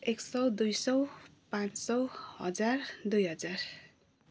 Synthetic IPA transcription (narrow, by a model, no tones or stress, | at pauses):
eksʌwd̪ujsʌwpãt͡ssʌwhʌ̰d͡zard̪ujɦʌd͡zar